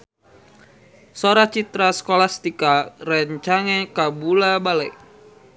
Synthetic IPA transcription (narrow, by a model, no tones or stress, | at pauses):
soɾat͡ʃit̪ɾaskolast̪ikarəɲt͡ʃaŋekabulabalɛj